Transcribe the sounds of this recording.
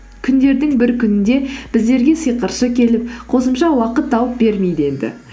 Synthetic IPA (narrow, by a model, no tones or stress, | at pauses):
kʲʰʏnd̪e̞ɾd̪ɪŋbɪɾkʲʰʏnɪnd̪e̞b̥ɪzd̪e̞ɾɡʲe̞səjqəɾʃəkʲʰe̞lɪp̚qʰo̞səmʃɑwɑqət̪ːɑwəp̚be̞ɾme̞jd̪əe̞nd̪ɪ̰